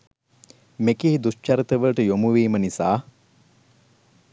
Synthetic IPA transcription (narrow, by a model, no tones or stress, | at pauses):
mekiɦid̪ust͡ʃɐɾət̪əʋəʈəjomuʋiːmənisaː